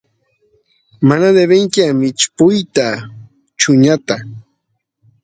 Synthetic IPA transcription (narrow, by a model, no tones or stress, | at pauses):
manad̪eβeŋkamɪt͡ʃpʊjt̪a | t͡ʃʊɲat̪a